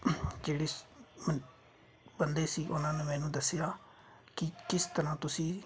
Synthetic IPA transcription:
d͡ʒeːɽeːm | bənd̪eːsiːʔʊnãːneːmɛːnũːd̪əsːjaː | kɪkɪst̪əɾãːt̪ʊsĩː

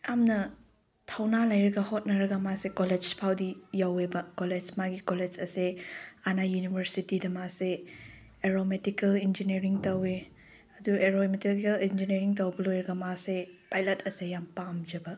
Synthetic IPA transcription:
jamnɐ | tʰɐwnalɐjɾɐɡɐhot̚nɐɾɐɡɐmasekoled͡ʒpʰawdijawebɐkoled͡ʒmaɡikoled͡ʒɐseanajunibʱɐɾsitidɐmase | eɾometikɐlind͡ʒineɾiŋtɐwe | ɐdueɾometikelind͡ʒineɾiŋtɐwbɐlojɾɐɡɐmasepajlɐtʰɐsejampamd͡ʒɐbɐ

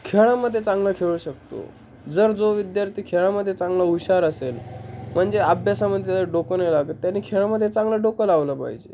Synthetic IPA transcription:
kʰeɭaməd̪ʱːjet͡sãŋɡlakʰeɭuɕək̚t̪o̰ | d͡zəɾd͡zoʋid̪jaɾt̪ʰiːkʰeɭaməd̪ʱjet͡sãŋɡlauɕaɾəselm̤əɳd͡zeabʱjasaməd̪ʱjeaaɖokənejlaɡət̪ːjanːiːkʰeɭaməd̪ʱːjet͡saŋɡlaɖokəlaʋləpa̰ɦid͡ʑḛ

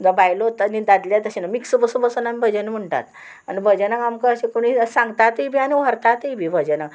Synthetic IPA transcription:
d̪əbajlot̪ənid̪ad̪ljat̪əɕenamiksbəsubəsənamibʱəd͡ʑənm̤əɳʈa̰t̪ | anibʱəd͡ʑenakamkəəɕekoɽ̃iisãŋɡt̪at̪əibʱianiʋəɾt̪at̪əibʱibʱəd͡ʑena

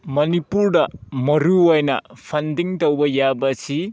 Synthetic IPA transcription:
mɐnipuɾdɐmɐɾuojnɐ̰pʰɐndiŋtowbɐjabɐsi

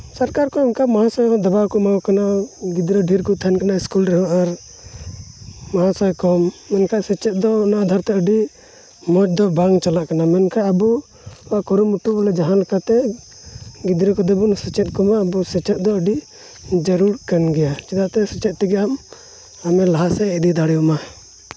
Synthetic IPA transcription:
saɾkaɾkɔɛnkamaɦãsɔjɦɔ̃d̪ɔbawkɔmawkanaɡid̪ɾɔɖʱiɾkɔt̪ʰankanaiskulɾɛɦaʔaɾ | maɦãsajkɔmːɛnkʰaʔsɛt͡ʃɛt̪̚d̪ɔnaʔd̪ʱaɾt̪ɛəɖi | mɔt͡ʃd̪ɔbaŋɡt͡ʃalaʔkanamɛnkʰaʔabu | aʔkɔɾumuʈublɛd͡ʒaɦanlɛkat̪ɛ | ɡid̪ɾɛkɔd̪ɛbunsɛt͡ʃɛt̪̚ˀkɔmaːbusɛt͡ʃɛt̪̚ˀd̪ɔəɖi | d͡ʒəɾuɾkanɡɛjat͡ʃid̪aʔt̪ɛsɛt͡ʃɛt̪̚t̪ɛɡɛam | amɛlaɦasɛɛd̪id̪aɽɛjɔma

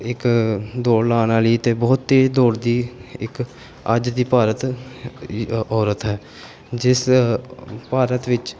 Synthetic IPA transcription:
ɪkd̪oːɽlaːnaːləiːt̪eːbɔːt̪ːeːd͡ʒd̪oːɽd̪iːɪk | əd͡ʒd̪iːpaːɾət̪ | ɔːɾət̪ɦɛː | d͡ʒɪs | paːɾət̪ʋɪt͡ʃ

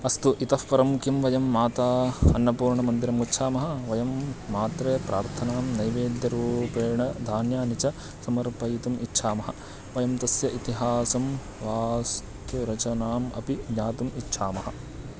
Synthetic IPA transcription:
ɐst̪uʔit̪ɐfpɐɾɐmkimʋɐjɐmːaːt̪aːɐnːɐpuːɾɳɐmɐnd̪iɾɐmutːʃʰaːmɐɦɐʋɐjɐmːaːt̪ɾeːpɾaːɾt̪ʰɐnaːmnɐjʋeːd̪jɐɾuːpeːɳɐd̪ʱaːnjaːnit͡ʃɐ | sɐmɐɾpɐjit̪umʔitːʃʰaːmɐɦɐ | ʋɐjɐmt̪ɐsjɐʔit̪iɦaːsɐm | ʋaːs | t̪ʰuɾɐt͡ʃɐnaːmɐ̰piɡɲaːt̪umitːʃʰaːmɐɦɐ̰

